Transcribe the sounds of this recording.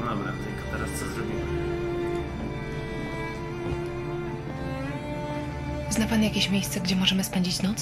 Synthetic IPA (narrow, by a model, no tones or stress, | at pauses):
d̪ɔbɾa̰t̪ɛkɔt̪ɛɾast̪sɔzɾɔbʲimɛ | znapanjakʲeɕmʲjejst̪sɛɡd͡ʑɛmɔʐɛmɘspɛɲd͡ʑit͡ɕnɔt̪s